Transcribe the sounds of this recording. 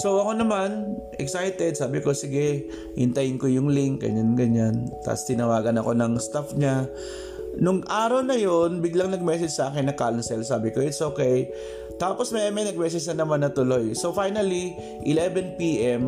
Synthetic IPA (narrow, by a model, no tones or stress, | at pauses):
so̞wʔɐko̞nɐmanʔɛ̰ksajt̪ɛd̪̚saːbɪko̞sɪɡɛ | hɪnt̪ɐjɪnkojʊŋlɪŋk̚ɡɐ̰ɲanɡɐɲant̪a̰ːpst̪ɪnɐwaːɡɐnɐko̞nɐŋst̪afɲa | nʊŋʔaːɾɐwnɐjo̞nbɪɡlaŋnɐɡ̚mɛːsɛd͡ʒsɐʔaːkɪnːɐkalnsɛlsaːbɪkoʔɪt̪sʔoːkɛj | t̪aːpo̞smɛɐmɛnɐɡ̚mɛːs̬ɛd͡ʒnɐnɐmanːɐt̪ʊlo̞jso̞wfajnɐli | ʔɪlɛːvɛnpiːʔɛm